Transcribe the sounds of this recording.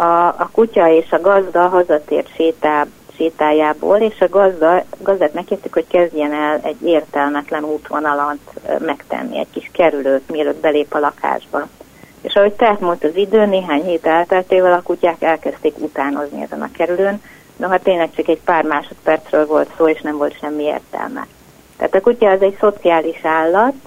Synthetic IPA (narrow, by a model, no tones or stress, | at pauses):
ɒːkucɒeːʃɒɡɒzd̪ɒɦɒzɒt̪ḛːrt̪ʃeːt̪a | ʃeːt̪aːjaːbo̰ːleːʃɒɡɒzd̪ɒɡɒzd̪aːt̪mɛkːiːrt̪ykho̞ckɛzɟɛnɛlɛɟːeːrt̪ɛlmɛt̪lɛnuːt̪ʋonɒlɒnt̪mɛkt̪ɛ̰nːḭɛ̰ɟkiʃkɛɾyløːt̪miɛløːd̪bɛleːpɒlɒkʰa̰ːʒbɒ | ḛːʃɒɦo̞c̚t̪ɛat̪mult̪ɒzid̪øːneːɦaːɲheːt̪ɛlt̪ɛlt̪eːvɒlɒkucaːkɛlkɛst̪eːkut̪aːno̞znḭɛ̰zɛnɒ̰kɛɾyløːn | noɦɒt̪eːnlɛk̚t͡ʃɒkɛɟpaːrmaːʃo̞t̪pɛrt̪srøːlvo̞lt̪soːeːʃnɛɱvo̞lt̪ʃɛmːiḛːrt̪ɛ̰lmɛ̰ | t̪ɛ̰aːt̪ɒkucɒɛzɛɟso̞t̪siaːliʃaːlːɒt̪